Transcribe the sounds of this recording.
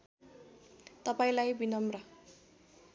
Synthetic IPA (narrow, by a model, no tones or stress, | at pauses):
t̪ʌpaĩlajbinʌmrʌ